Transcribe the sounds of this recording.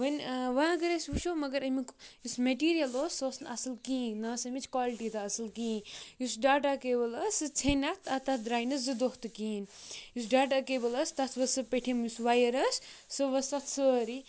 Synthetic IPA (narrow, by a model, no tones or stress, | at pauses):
ʋɐnʋɐɐɡɐɾɐsʲʋuʃoːmɐɡɐɾɐmikjusmeʈiːɾijɐloːsoːsnɐsɨlkĩːnaːsɐmit͡ʃʰkwaːliʈit̪aɐsɨlkĩːjusɖaːʈakeːbɐlɐsɨt͡ʃʰɐnat̪ʰɐt̪ɐt̪̚ʰd̪ɾaːjnɐszɨd̪oht̪ɨkiːnjus̬ɖaːʈakeːbɐlɐst̪ɐt̪ʰʋɐsɨpeʈʰimjusʋajɐɾɐssɨʋɐst̪ɐt̪səɾi